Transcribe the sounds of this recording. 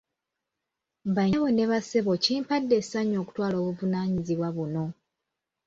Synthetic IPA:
baɲeβo̞neβase̞βo̞ciːmpadːe̞saɲo̞ːku̥twaːlo̞ːβuvunaːɲiziβwaβuno̞

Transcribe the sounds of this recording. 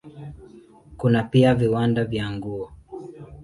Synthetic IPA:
kunapiaviwandavjaŋɡuɔ

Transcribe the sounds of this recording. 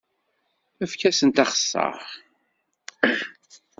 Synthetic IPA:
æfkæsənt̪ɑχə̥sːɑ̰ʁ

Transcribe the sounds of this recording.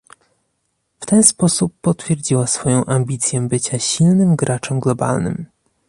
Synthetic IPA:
ft̪ɛnspɔsupːɔt̪fʲjɛɾd͡ʑiwasfɔjɔ̃w̃ʔambʲit̪sʲjɛbɘt͡ɕaɕilnɘmɡɾʔat͡ʂɔmɡlɔba̰lnɘ̰m

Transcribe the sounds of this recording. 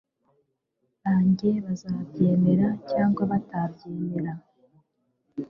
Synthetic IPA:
βaːɲɟe̞βazaːbɟe̞ːme̞ɾacaːŋɡwaβatabjeːme̞ɾa

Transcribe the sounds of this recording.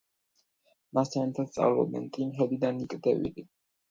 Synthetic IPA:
mast̪ʰanɛt̪ʰat̪t̪sʼa̰vlɔ̰b̪ɛ̰nt̪ʼimɦɛlid̪anikʼd̪ɛvḭli

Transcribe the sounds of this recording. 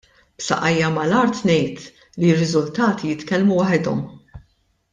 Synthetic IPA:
b̥sɐ̰ʔɐjːɐmɐlɐɾt̪nɛjt̪ | lirːɪzʊlt̪ɐːt̪ijɪt̪kɛlmuwɐħɪd̪ɔ̰m

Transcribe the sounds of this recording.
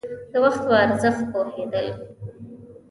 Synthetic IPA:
d̪̥əwaxt̪waaɾzəxt̪̚pohed̪əl

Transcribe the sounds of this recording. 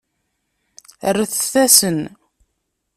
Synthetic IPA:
ərəθθæsən

